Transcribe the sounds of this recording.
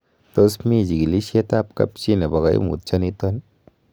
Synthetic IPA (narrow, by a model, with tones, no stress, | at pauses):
tɔ˦smi˦˨d͡ʒi˨ɡi˨li˦ʃe˦ta˦p̚kɐ̰˦pt͡ʃi˦ne˨ba˨ɣa˨jḭ˦mṵ˨t̚t͡ʃa˦ni˦t̪ɔ˦n